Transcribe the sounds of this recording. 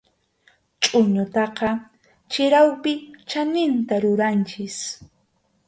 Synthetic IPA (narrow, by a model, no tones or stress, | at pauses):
t͡ʃʼʊɲʊt̪ɑqɑ | t͡ʃɪɾawpɪt͡ʃanɪnt̪aɾʊɾant͡ʃɪs